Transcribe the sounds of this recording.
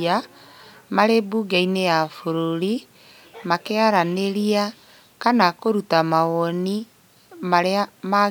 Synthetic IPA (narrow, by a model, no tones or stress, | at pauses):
a | maɾebuːɡainejafoɾoɾi | makeaɾaneɾia | kanakoɾutamaɣɔni | maɾeama